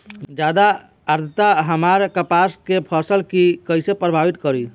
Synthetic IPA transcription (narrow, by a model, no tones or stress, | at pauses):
d͡ʒad̪aː | ɾt̪ʰət̪aɦəmaɾkəpaskepʰəsəlkikəjsepɾəbʱabit̪kəɾi